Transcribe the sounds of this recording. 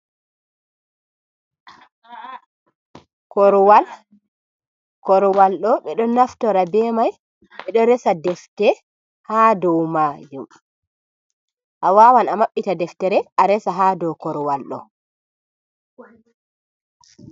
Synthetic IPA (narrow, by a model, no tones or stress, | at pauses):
kɔɾwal | kɔɾwalɗɔɓɛɗɔnaftɔɾabɛːmaj | ɓɛɗɔɾɛsadɛftɛ | haːdɔwmaːd͡ʒum | ʔawawanamaɓːitadɛftɛɾɛʔaɾɛsaɦadɔwkɔɾwalɗɔ̰